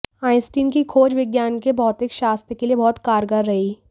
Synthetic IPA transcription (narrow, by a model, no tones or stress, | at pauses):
aːɪsʈiːnkikʰoːd͡ʒʋɪɡjaːnkebɔːt̪ɪkʃaːst̪ɾəkeliebɔːt̪kaːɾɡəɾːɐɦiː